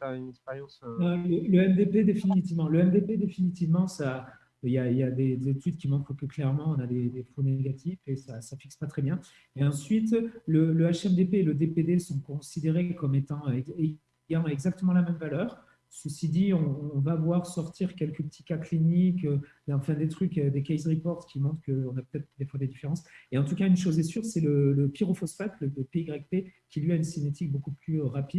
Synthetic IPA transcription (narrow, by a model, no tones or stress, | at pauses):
taynɛkspɛʁjɑ̃sɛlələɛmd̪eped̪efinit̪ivmɑ̃ləɛmd̪eped̪efinit̪ivmɑ̃sa | iljailjad̪ezet̪ʰyd̪kʲimɑ̃kχkəklɛʁmɑ̃ɔ̃nad̪ed̪efoneɡat̪ʰifesasafiksə̥pat̪χɛbjɛ̃ | eɑ̃sɥit̪lələaʃɛmd̪epeːləd̪eped̪esɔ̃kɔ̃sid̪eʁekɔmet̪ɑ̃øɛe | ɡãɛɡzak̚t̪əmɑ̃lamɛmvalœːʁ | səsid̪iɔ̃ːvavwaʁsɔʁt̪ʰiʁkʲɛlkəpət̪ʰi̥kaklinikø | ɛɑ̃fɛ̃d̪et̪χykød̪ekʲɛjzʁipɔʁt̪kʲʰimɔ̃t̪χkəɔ̃napø̥t̪ɛt̪χəd̪efwad̪ed̪ifeʁɑ̃seɑ̃t̪ukaynʃozɛsyʁsɛlələpiʁofɔsfat̪lələpeiɡʁɛk̚pekʲilɥiaynsinet̪ik̚bokuplyʁapid̪